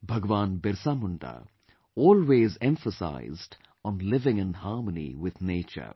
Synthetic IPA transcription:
bʱɐɡʋaːnbɪɾsaːmʊ̃ɳɖa̰ | ɔːlweːzɛ̃ɱfəsa̰ɪzɖ | ɔnlɪʋɪ̃ŋə̃nhaːɾmənḭwɪd̪neːt͡ʃə̰ɾ

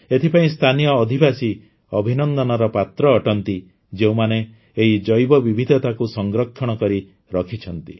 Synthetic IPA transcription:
et̪ʰipaĩst̪ʰanijɔːd̪ʱibasi | ɔbʱinɔnd̪ɔnɔɾɔpat̪ɾɔːʈɔnt̪i | d͡ʒeũmane | eid͡ʒɔjbɔbibʱid̪ʱɔt̪akusɔŋɡɾɔkʰːjɔɽ̃ɔkɔɾi | ɾɔkʰit͡ʃʰɔnt̪i

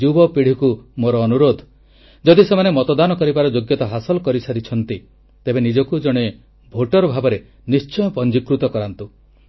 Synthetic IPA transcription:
ubɔpiɽ̤ikumoɾɔːnuɾod̪ʱ | d͡ʒɔd̪isemanemɔt̪ɔd̪anɔkɔɾibaɾɔd͡ʒoɡjɔt̪ɔɦasɔlɔkɔɾisaɾit͡ʃʰɔnt̪i | t̪ebenid͡ʒɔkud͡ʒɔɽ̃e | bʱoʈɔɾɔbʱabɔɾe | nist͡ʃɔjɔpɔnd͡ʒikɾut̪ɔkɔɾant̪u

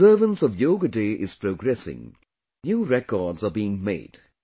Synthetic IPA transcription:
ɜːvə̃nsɔvjoɡədeːʔɪz̥pɹoɡɹɛsɪ̰̃ŋ | njuːɹɛkɔːdzəbiːɪ̃ŋmḛɪd̥

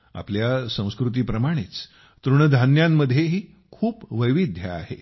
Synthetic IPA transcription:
a̰pljasə̃w̃skɾut̪̬iːpɾəmaɽ̃it͡s | t̪ɾuɳəd̪ʱanjamːəd̪ʱjeɦiː | kʰuːpʋəjʋid̪ʱjə̰a̰hḛ

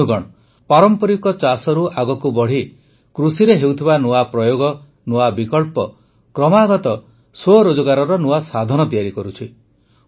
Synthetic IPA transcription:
ɡɔɽɔ | paɾɔmpɔɾikɔt͡ʃasɔɾuʔaɡɔkubɔɽ̤i | kɾusiɾeɦewt̪ʰibanuapɾɔjoɡɔ | nuabikɔɭpɔ | kɾɔmaɡɔt̪ɔ | soɾod͡ʒɔɡaɾɔɾɔnuasad̪ʱɔñɔt̪ijaɾikɔɾut͡ʃʰi

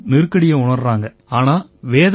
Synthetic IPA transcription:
nɪɾɯkɐɽɪjɐʊɳɐɾraːŋɡɐ | aːnaːʋeːð

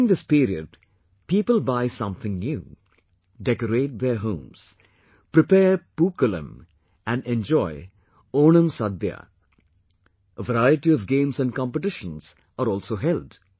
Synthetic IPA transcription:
ɪ̃ŋd̪ɪspiːɾiə̰ɖ̚ | piːpəlbaɪsʌ̃mθʰɪ̃ŋnjuː | ɖɛkəɾeːʈ̚d̪eɾɦõːmz̥ | pɾɪpeːpuːkələ̰̃m | æ̃nɖɛ̃nd͡ʒɔɪ | oːnə̃msʌd̪ja̰ | ʔəʋəɾaɪəʈiɔvɡẽːmsæ̃n̚kɑ̃mpəʈɪʃə̃nz̥ | əɾɔːlsoːɦɛld

